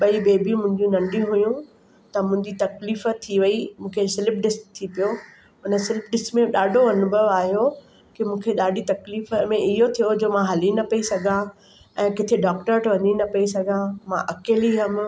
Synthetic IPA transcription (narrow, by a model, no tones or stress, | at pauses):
ɓɐibeːbʱiũmʊ̃ɦɪ̃ɲd͡ʑũnɐ̃ɳɖĩɦʊjũ | t̪ɐmʊ̃ɦɪ̃ɲd͡ʑit̪ɐkliːft̪ʰiʋɐimũːkʰesɪlɪp̚ɖɪsʈ̚t̪ʰipijo | ɦʊnəsɪlɪpɖɪsʈmẽɗaːɖʱoɐnʊbʱəʋaːɦijo | kimũːkʰeɗaːɖit̪ɐkliːfəmẽɪɦot̪ʰijod͡ʑoːmãɦɐlinɐpɐisɐɡʱã | ɛ̃ːkɪt̪ʰeɖɔːkʈəɾʈʋɐɲinɐpɐisɐɡʱãmãʔɐkeːliɦɐm̆